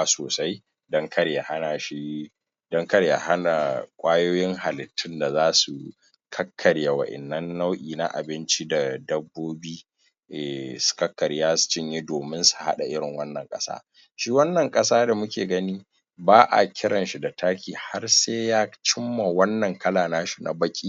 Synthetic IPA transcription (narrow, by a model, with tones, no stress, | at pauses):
a˨soː˨sa˦j | dɐ˦ŋkʰɐ˦ɾja˨ha˦na˨ʃi˦ | dɐ˦ŋkɐ˦ɾja̰˨ha˦na˨kʷʼaː˦joː˦jɪ˦ŋha˨lɪ˨tʰːɪ˦nda˨zaː˦su˨ | kʰɐ˦kʰːɐ˨ɽja˨wɐ̰˨ʔɪ̰˨nːɐ˦nːa˦wʔiː˨na̰˦ʔa̰˨bɪ˦nt͡ʃi˦da˨dɐ˦bːoː˦biː˦ | ʔɛ˨su̥˨kɐ˦kːɐ˨ɾjaː˦su̥˨t͡ʃɪ˦ɲji˦doː˨mɪ˦nsu̥˨ha̰˦ɗa˨ʔɪ˦ɽɪ˨ŋwɐ˦nːɐ˨ŋkʼɐ̰˦sa̰ː˦ | ʃiː˦wɐ˦nːɐ˨ŋkʼɐ˦saː˦da˨mʊ˦kʲeː˨ɡɐ˦niː˦ | baː˦ʔa̰˨kʲʰɪ˦ɽɐ˨nʃi˦da˨taː˦kʲʰiː˨ha˦rseː˦jaː˦t͡ʃɪ˦mːa˨wɐ˦nːɐ˨ŋkɐ˦laː˨naː˦ʃi˦˨na̰˨bɐ˦kʲʼiː˦